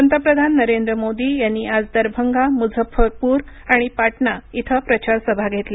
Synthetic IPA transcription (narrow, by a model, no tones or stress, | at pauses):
ənt̪əpɾəd̪ʱanːəɾend̪ɾəmod̪ijanːiad͡zd̪əɾbʱəŋɡamud͡zʱəpʰːəɾpuːɾ | aɽ̃ipaʈɳait̪ʰəpɾət͡ɕaɾsəbʱaɡʱet̪le